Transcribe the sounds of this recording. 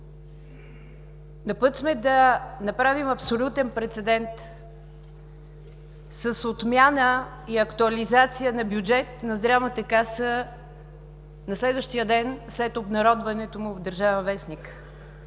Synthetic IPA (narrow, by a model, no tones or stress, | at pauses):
nɐpɤt̪smɛd̪ɐnɐpɾavimɐpsolʲut̪ɛnpɾɛt̪sɛd̪ɛnt̪ | səsot̪mjanə | iɐkt̪uɐlizat̪sijənɐbjud͡ʒɛt̪nɐzd̪ɾavmət̪əkasə | nɐslɛd̪vəʃt̪ijəd̪ɛnslɛt̪obnɐɾɔd̪vɐnɛt̪omʊvd̪əɾʒavɛnvɛsnik